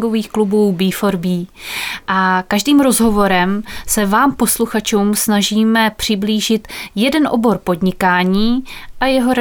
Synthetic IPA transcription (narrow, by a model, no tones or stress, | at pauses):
ɡoviːxklubuːbiːfo̞ɾbiːʔakaʒdiːmɾo̞zɦo̞vo̞ɾɛmsɛvaːmpo̞sluxat͡ʃuːmsnaʒiːmɛpr̝̥ɪbliːʒɪt̪jɛdɛnʔo̞bo̞ɾpo̞dɲɪkaːɲiːʔajɛɦo̞ɾ